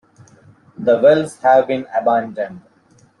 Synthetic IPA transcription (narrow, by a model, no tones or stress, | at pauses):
d̪əʋɛlzhæʋbĩnəbãɳɖə̃nɖ